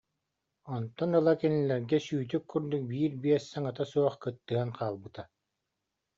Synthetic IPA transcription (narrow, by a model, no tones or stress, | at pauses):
ɔnt̪ɔnɯlˠakɛnilɛɾɡɛsyːt̪̬ykʰːuɾd̪uk̚biːɾbiɛsːɛŋat̪asuɔχkɯt̪ːɯanqʰaːlˠbɯt̪a